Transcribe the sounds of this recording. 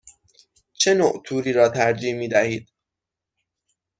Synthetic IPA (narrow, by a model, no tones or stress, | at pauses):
t͡ʃʰe̞noʔt̪ʰuːɾiːɾɒːt̪ʰæɾd͡ʒiːhmiːd̪æhiːd̪̥̚